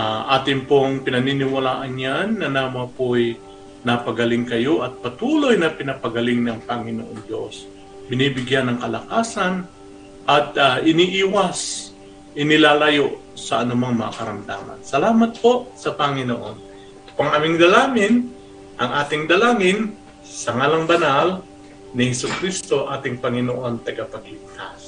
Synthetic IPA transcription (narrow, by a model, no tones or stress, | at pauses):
aʔaːt̪ɪŋpoŋpɪnɐninɪwɐlaːʔɐnɲanːɐnamapoj | nɐpɐɡɐlɪŋkɐjo̞ʔɐt̪̚pɐt̪uːlojnɐpɪnɐpɐɡɐlɪŋnɐŋpɐŋɪno̰ʔoŋd̪jo̞̰s | bɪnibɪɡjanːɐŋkɐlɐ̰kaːsan | ʔɐt̪aʔɪniʔiːwas | ʔɪnɪlaːlɐjoʔ | sɐʔɐnʊmaŋmɐŋa̰kɐɾɐmd̪a̰ːmɐ̰nsɐlaːmɐt̪̚po̞ʔsɐpɐŋɪno̰ʔo̞̰n | t̪o̥pɐŋʔɐmɪŋd̪ɐlaːmɪn | ʔɐŋʔaːt̪ɪŋd̪ɐlaːŋɪn | sɐŋalɐŋbɐnal | nɪhɛsukɾist̪o̞ʔaːt̪ɪŋpɐŋɪnoʔo̞nt̪ɐɡapɐɡlɪk̚t̪as